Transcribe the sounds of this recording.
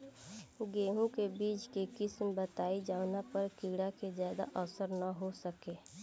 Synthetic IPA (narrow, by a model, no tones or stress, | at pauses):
ɡeːɦũkebiːt͡ʃkekɪsmbət̪aːid͡ʒaːʊnapəɾkiːɽakezjaːd̪a̰ʔɔsəɾnəɦosəkeː